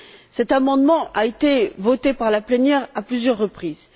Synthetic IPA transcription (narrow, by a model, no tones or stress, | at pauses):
sɛt̪amɑ̃d̪mɑ̃ʔaet̪evɔt̪epaʁlaplɛnjɛʁaplyzjœʁːəpχiz